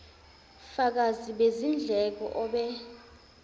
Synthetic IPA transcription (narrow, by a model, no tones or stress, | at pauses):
fak̬aziɓezind͡ɮʱɛk̬ɔ̰ʔɔɓɛ